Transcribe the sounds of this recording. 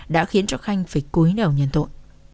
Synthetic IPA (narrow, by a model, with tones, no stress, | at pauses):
ɗa̰ː˧˥xi˨˦ənt͡ɕɔ˧xa˧jŋ̟faː˨˩jku˨˦jɗə˨˩wɲḭ˧˨nt̪o̰˧˨n